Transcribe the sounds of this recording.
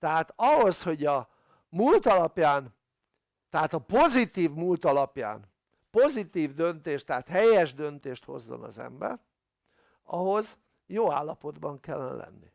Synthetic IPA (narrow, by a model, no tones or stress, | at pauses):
t̪ɛɦaːt̪ɒɦo̞sho̞ɟɒ | mult̪ɒlɒpjaːn | t̪ɛɦaːt̪ɒpo̞zit̪iːvmult̪ɒlɒpja̰ːn | po̞zit̪iːvd̪ø̞nt̪eːʃt̪ɛat̪hɛjɛʒd̪ø̞nt̪eːʃt̪ho̞̰zːo̞̰nɒ̰zɛ̰mbɛ̰r | ɒɦo̞z | joːa̰ːlːɒpo̞d̪bɒŋkɛlːɛn̰lɛ̰nːi